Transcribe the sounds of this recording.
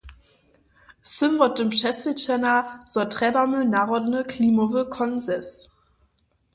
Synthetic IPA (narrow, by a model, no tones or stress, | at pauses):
sɪmvɔt̚əmʃɛsvɪtɛnaz̥ɔtʁ̥ɛbamənaʁɔdnəkʰlimovəkʰɔnzɛs